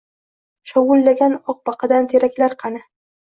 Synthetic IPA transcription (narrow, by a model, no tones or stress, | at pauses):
ʃɒwʊlːaɡʲanɒq̚bɑqɨd̪ant̪ʰeɾakʲlaɾqʰɑnɪ